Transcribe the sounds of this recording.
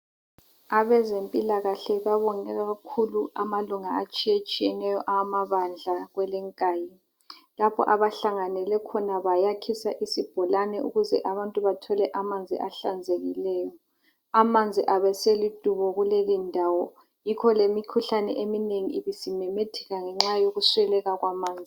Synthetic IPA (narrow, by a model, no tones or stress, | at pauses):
aβɛzempʼilaɣaɬɛβaβɔŋɛɣakʰuluamaluŋaat͡ʃʼijat͡ʃʼijɛnɛjɔʔaamaβand͡ɮʱaɣwɛlɛŋkʼaːji | lapʰɔ̰ʔaβaɬaŋanɛlɛkʰɔnaβajakʰisaʔisib̥ʱɔlanɛṵɣuzɛ̰ʔaβantʼuβatʰɔlɛʔamand͡zʱḭʔaɬand͡zʱeɣilɛːjɔ | amand͡zʱiʔaβɛselid̥ʼʱuβɔɣulelindʱawɔ | jikʰɔlemikʰuɬanɛ̰ʔemineŋiiβisimɛmetʰɛ̥ɣaŋɛŋ͡ǁajoɣuswɛlɛɣaɣwamaːnd͡zʱi